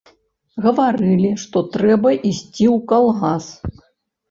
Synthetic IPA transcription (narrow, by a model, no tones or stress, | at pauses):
ɣɐvaɾɨlʲiʂt̪ɔt̪ɾɛbɐʔisʲt͡sʲiwkalˠɣas